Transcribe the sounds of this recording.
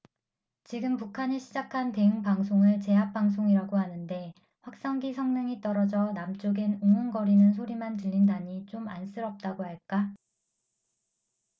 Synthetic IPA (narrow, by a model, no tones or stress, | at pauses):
t͡ɕiɡɯmpukʰaɲiɕʰid͡ʑakʰante̞ɯŋpaŋsʰoŋɯɭt͡ɕe̞ɦap̚p͈aŋsʰoŋiɾaɡoɦanɯnde̞ | ɸwak̚s͈aŋɡisʰʌŋnɯŋit͈ʌɾʌd͡ʑʌnamt͡ɕ͈oɡenoŋɯnɡʌɾinɯnsʰoɾimantɯʎːindaɲit͡ɕ͈oma̰ns͈ɯɾʌp̚t͈aɡoɦaɭk͈a